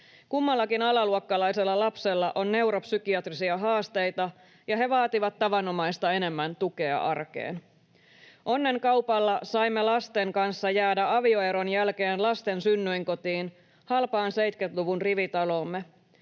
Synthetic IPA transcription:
kumːɑlːɑkinɑlɑluokːɑlɑjse̞lːɑlɑpselːɑʔo̞nːe̞uwɾopsykiɑt̪risiɑɦɑːst̪e̞jt̪ɑ | jɑɦe̞ʋɑːt̪iʋɑt̪ːɑʋɑnomɑjst̪ɑe̞ne̞mːænt̪uke̞ɑ̰ʔɑrkḛːn | ʔo̞nːe̞ŋkɑwpɑlːɑsɑimːelɑst̪e̞ŋkɑnsːɑjæːdæɑʋio̞e̞ɾo̞njælke̞ːnlɑst̪e̞nsynːyjŋko̞t̪iːn | hɑlpɑːnse̞jt̪ket̪luʋunriʋit̪ɑlomːe̞

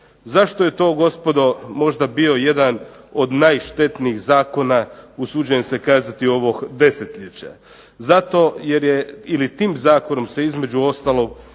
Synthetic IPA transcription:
zaʃt̪oje̞t̪o̞ːɡo̞spo̞d̪o̞mo̞ʒd̪abio̞je̞d̪ano̞d̪najʃt̪e̞t̪niixzaːko̞nausud͡ʑujemse̞kaːzat̪io̞ʋo̞ɡd̪e̞set̪ʎʲet͡ɕa̰ | zat̪o̞je̞ɾje̞ilit̪iːmzaːko̞no̞mse̞izme̞d͡ʑuo̞st̪alˠo̞ɡ̚

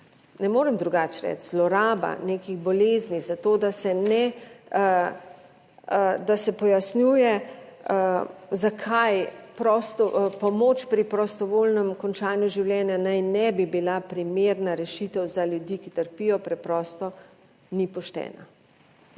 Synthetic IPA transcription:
nɛmoːɾɛmd̪ɾuɡat͡ʃɾɛ̰t͡ʃzlɔɾaːba̰nekiɣbɔleːznizat̪oːd̪asɛnɛ | d̪asɛpɔjasnjuːjɛ | zakʰajpɾɔst̪ɔpɔmot͡ʃpɾipɾɔst̪ɔʋolnɛmkɔnt͡ʃaːnjuʒiwlʲjɛːnjanajnɛbibilapɾimeːɾnaɾɛʃit̪ɛwzaljud̪iːkit̪əɾpiːjɔpɾɛpɾɔːst̪ɔ | nipɔʃt̪ɛ̰ːna̰

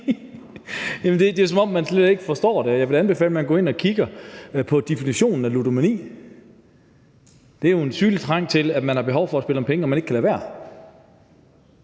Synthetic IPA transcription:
jæmnd̥e̝d̥e̝os̬ɒ̽mɒ̽mːænsled̥e̝ɡ̥əfɒ̽sd̥ɒ̰ːd̥eɒjɑ̈ɪʋe̝lænb̥e̝fɛ̰ːləmænɡ̥ɔ̰ːe̝nɒ̽kʰiɡ̥ɐpʰɒ̽d̥efiniɕo̝̰ːnn̩ælud̥omænḭː | d̥e̝æjo̝e̝nsyːnli̥t͡sʰʁɑ̈ŋ̰t͡sʰe̝læ̥mænhɑ̈b̥e̝ɦɒʊ̰fɒ̽æsb̥e̝ləmpʰeŋəɒmæne̝ɡ̥kʰælɛːʋæ̰ɐ̰

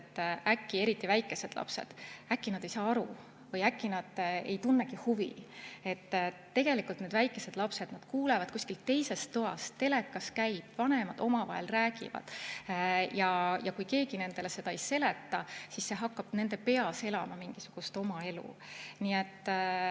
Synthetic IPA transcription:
t̪ːækːieɾit̪ːˑivæjkːˑe̞se̞d̪̥lʔɑ̰pse̞̰d̪̥ækːinɑd̪̥e̞jsɑːɑɾu | vɤjækːinɑd̪̥e̞̰jt̪unːekihuvḭe̞t̪ː | e̞ɡ̥e̞likˑult̪ne̞d̪væjkːˑe̞se̞d̪̥lɑpse̞d̪̥nɑd̪̥kuːlevɑd̪̥kusʲkilt̪ːe̞jse̞st̪ːoɑ̰st̪ːe̞le̞kːˑɑskæjb̥vɑnemɑd̪̥o̞mɑvɑ̰ɦḛlræːɡ̥ḭvɑ̰d̪̥ | jɑjɑkujke̞ːɡ̥ine̞nd̪̥e̞lese̞d̪ɑejse̞le̞t̪ːɑsisːe̞ɦɑkːɑb̥ne̞nd̪e̞pe̞ɑse̞lɑmɑmiŋɡ̥isuɡ̥ust̪o̞mɑe̞lṵniet̪ː

